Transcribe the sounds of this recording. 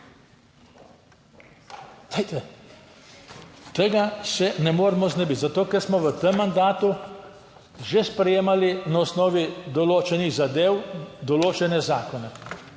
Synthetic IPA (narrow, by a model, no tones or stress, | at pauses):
d̪̥ejt̪ɛ | t̪eɡasɛnɛmoːɾɛmɔznɛbit̪zat̪oːkɛɾsmɔʋət̪əmːand̪aːt̪u | ʒespɾɛjeːmalinaɔsnɔːʋid̪ɔloːt͡ʃɛniɣzad̪eːwd̪ɔloːt͡ʃɛnɛzaːkɔnɛ